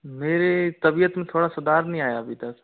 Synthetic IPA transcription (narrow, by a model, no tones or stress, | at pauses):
meːɾet̪ɐbijət̪mẽt̪ʰoːɽasʊd̪aːɾnəɦĩaːjaɐbid̪əs